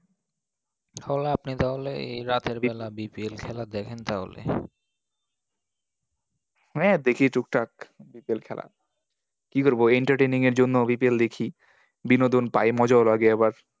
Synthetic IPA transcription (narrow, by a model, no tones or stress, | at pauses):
hɔlapnit̪aɦoleḛjɾat̪eɾbɛlabipielkʰɛlad̪ɛkʰent̪aɦo̰lḛ | mɛd̪ekʰiʈuk̚ʈakbipielkʰɛla̰ | kikoɾboeɳʈaɾʈejniŋeɾd͡ʑonːobipield̪ekʰi | binod̪onpajmɔd͡ʑaolaɡeɛbaɾ